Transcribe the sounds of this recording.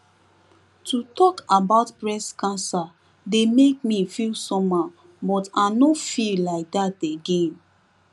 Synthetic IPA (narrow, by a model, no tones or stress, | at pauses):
tʰutʰɔkabaʊtpɹɛskãnsa | demek̚mifilsɔmã | bɔtanofillaɪk̚dateɡẽn